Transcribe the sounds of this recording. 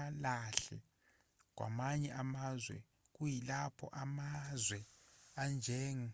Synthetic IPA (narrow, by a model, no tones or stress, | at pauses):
alaɬɛ̰ | k̬wa̰maɲɛʔamazwɛ̰ | k̬ujilapʰɔʔamazwɛand͡ʒʱɛːŋi